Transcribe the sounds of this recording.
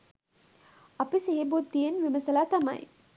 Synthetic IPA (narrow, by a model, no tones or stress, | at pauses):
apiseɦebot̪d̪ijenʋiməsəlaːt̪amɐ̰j